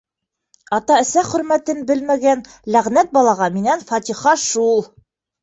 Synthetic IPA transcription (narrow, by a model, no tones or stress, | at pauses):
ɑt̪ɑɘ̆sæχɵ̆ɾmæt̪ɘnbɘlmæɡæn | læʁnæt̪̚bɒlˠɑʁɑminænfɑt̪ʲiχɑʃulˠ